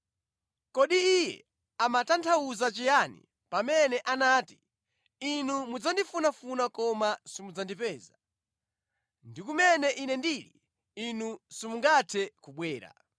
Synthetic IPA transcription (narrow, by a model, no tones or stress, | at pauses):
kɔɗiijɛ̰ | amatantʰauzat͡ʃijanḭ | pamɛnɛʔanaːti̥ | inumud͡zandifunafunakɔmasimud͡zandipɛːza | ndikumɛnɛʔinɛndiːɾḭ | inusimuŋɡatʰɛkuɓwɛːɾa̰